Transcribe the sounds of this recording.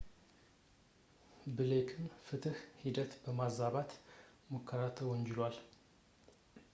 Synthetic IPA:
bɨlekʰɨnfɨt̪ʰɨhhid̪ət̪bəmazaβat̪ | məkʰːəɾat̪ʰəwɔɲd͡ʒɪlwal

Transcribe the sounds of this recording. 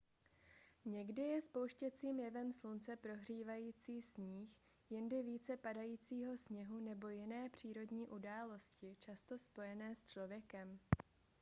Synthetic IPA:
ɲɛɡdɪjɛspo̞wʃcɛt͡siːmjɛvɛmslunt͡sɛpɾo̞ɦr̝iːvajiːt͡siːsɲiːx | jɪndɪviːt͡sɛpadajiːt͡siːɦo̞sɲɛɦunɛbo̞jɪnɛːpr̝̥iːɾo̞dɲiːʔudaːlo̞scɪt͡ʃast̪o̞spo̞jɛnɛːst͡ʃlo̞vjɛkɛm

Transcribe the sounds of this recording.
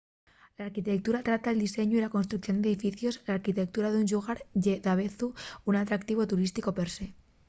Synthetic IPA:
laːɾkit̪e̞k̚t̪uɾat̪ɾat̪aeld̪ise̞ɲuilakonst̪ɾuk̚θjo̞nd̪eðifiθjo̞zlaɾkit̪ek̚t̪uɾaðuɲʒuɣaɾʝeðaβeθuunat̪ɾak̚t̪iβ̞o̞t̪uɾist̪iko̞peɾse̞

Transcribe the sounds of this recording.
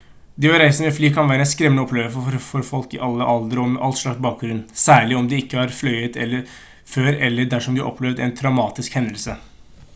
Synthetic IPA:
d̪ɪːʋɑɾæɪsənəfliːkʰɑnʋæːɾəɛnskɾɛmənəɔpʰːleːʋəfɔfɔɾfɔlkɪʔɑlːəʔɑld̪əɾɔmɛʔɑlt̪ʂɭɑkt̪bɑːk̚ɡɾʉnːsæːɭɪɔmd̪ɛɪkːəɑɾflœʏət̪ʰɛ̰lːəɾ | føːɾɛlːəɖæʂɔmd̪ɪʔɔ̰pʰlɛʋd̪æɪnt̪ʰɾɑʊmɑːt̪ɪskhɛnd̪əlsə

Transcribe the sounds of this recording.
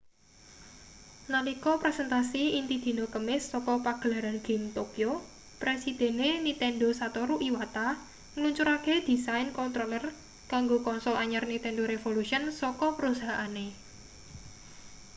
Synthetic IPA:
nalikɔpɾesɛnt̪asiint̪id̪̥i̤nokəmɪsːɔkɔpaɡ̥əlaɾanɡ̥i̤mt̪okio | pɾesid̪̥e̤nenit̪ɛnɖosat̪ɔɾuʔiwat̪a | ŋəluɲt͡ʃuɾaked̪̥i̤sajnkɔnt̪ɾolər | kaŋɡokɔnsɔlaɲarnit̪ɛnɖoɾefoluʃiənsɔkɔpəɾusaɦaʔane

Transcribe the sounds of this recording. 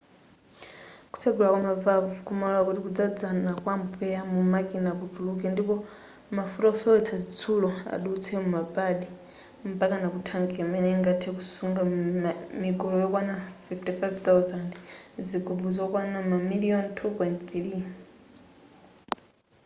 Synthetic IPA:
ku̥t͡sʰaɡɛlakwamavavukumalɔlakutikud͡zad͡zanakwampʰɛamumakinakutuluk̬ɛndipɔ | mafutaɔfɛɛt͡sʰazit͡sʰulɔa̰ɗuut͡sʰɛmumabaɗi | m̩pakanakutʰaŋkɛmɛnɛŋɡatʰɛkusuŋɡa | mikɔlɔjɔkwanafiftifajvt̪awzandziɡubuzɔkwanamamiliɔntʰupwɛntt̪iɾi

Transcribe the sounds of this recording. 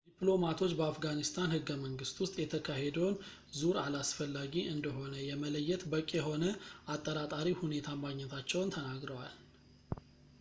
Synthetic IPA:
d̪iplo̞mat̪ʰo̞t͡ʃːbəafɡanist̪ʰanhɨɡːəməŋɡɨst̪wʊst̪ʼjɛt̪ʰəkʰahed̪əwn | zuɾalasfəlːaɡiʔɨnd̪əɦo̞nəjɛmələjːɛt̪bəkʼːjɛɦo̞nəat̪ʼːəɾat̪ʼaɾihune̞t̪ʰamaɡɲɛt̪ʰat͡ʃːɛwnt̪ʰənaɡɾəwal

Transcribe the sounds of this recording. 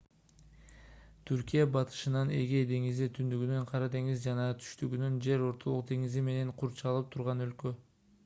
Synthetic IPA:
t̪ʰyɾkʲijɑbɑt̪ʰɯ̥ʃɯnɑne̞ɡed̪e̞ŋizit̪ʰynd̪yɡynynqʰɑɾɑt̪e̞ŋizd͡ʒɑnɑt̪ʰy̥ʃt̪yɡynynd͡ʒe̞ɾo̞ɾt̪ʰo̞lˠuq̚d̪e̞ŋizime̞ne̞ɴqʰuɾt͡ʃɑlˠɯp̚t̪ʰuɾʁɑnø̞lkø

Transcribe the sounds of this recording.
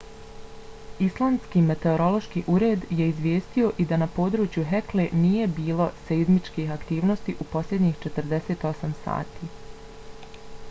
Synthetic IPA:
islˠaːnskiːme̞t̪e̞o̞ɾo̞lˠo̞ʃkiʔuɾe̞ːd̪je̞izʋʲjeːst̪io̞ʔid̪anapo̞d̪ɾuːt͡ʃjuɦekle̞nije̞biːlˠo̞seizmit͡ʃkiːɦakt̪iːʋno̞st̪iʔupo̞slʎʲe̞d̪ɲixt͡ʃet̪əɾd̪e̞set̪o̞samsa̰ːt̪iː

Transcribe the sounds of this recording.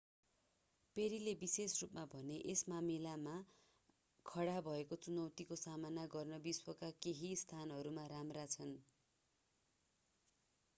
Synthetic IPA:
peɾilebisesrupmabʱʌneʔesmamilama | kʰʌɽabʱʌekot͡sunʌwt̪ikosamanaɡʌrnʌbiswʌkakeɦist̪ʰanɦʌɾumaɾamrat͡sʰʌn

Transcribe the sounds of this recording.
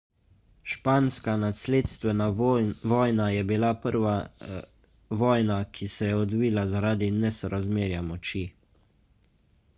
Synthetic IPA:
ʃpaːnskanasleːt̪st̪ʋɛnaʋɔːjnajɛbilapəɾʋa | ʋɔːjnakʰisɛjɛɔd̪ʋiːlazaɾaːd̪inɛsɔɾazmeːɾjamɔt͡ʃi

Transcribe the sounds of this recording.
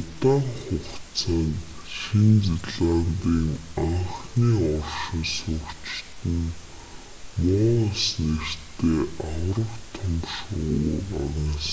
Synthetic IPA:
ʊt̪aːŋχʊkt͡sʰaːŋ | ʃint͡siɮant̪iːŋaɴχniːɔrʃɪ̆nsʊkt͡ɕt̪ɘ̆n | mʊːasnert̪ʰeːʔaw̆rə̆wt̪ʰɔmʃʊ̰uraɾə̆ŋs

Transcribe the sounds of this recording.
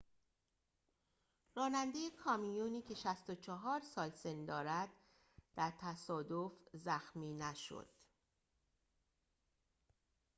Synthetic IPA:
rɒːnænd̪ejekʰɒːmijuːniːcʰe̞ʃæst̪o̞t͡ʃʰɒɦɒːɾsɒːlse̞nd̪ɒːɾæd̪̥̚ | d̪̥æɾt̪ʰæsɒːd̪o̞fzæxmiːnæʃo̰d̪̥

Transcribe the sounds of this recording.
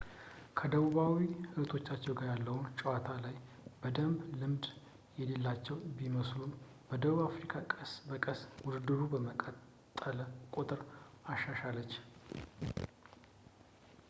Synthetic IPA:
kʰəd̪əβuβawihɨɾt̪ʰo̞t͡ʃːat͡ʃːɛwɡaɾjalːəwunt͡ʃʼəwat̪ʰalaj | bəd̪əmblɨmd̪ | jɛle̞lːat͡ʃːɛwbiməslun | bəd̪əβuβafɾikʰakʼəsbəkʼəswʊd̪ɨd̪ɨɾubəməkʼət̪ʼːələkʼot̪ʼɨɾaʃːaʃalːət͡ʃː

